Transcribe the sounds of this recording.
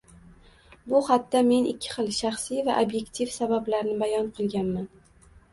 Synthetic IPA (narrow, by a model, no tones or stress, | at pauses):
bʊχat̪ːame̞nɪkʲʰːɪ̥χɨlˠʃaχsijvaʔobje̞kt̪ʰifsabablaɾnɪbajɒnqʰɨlˠɡʲanman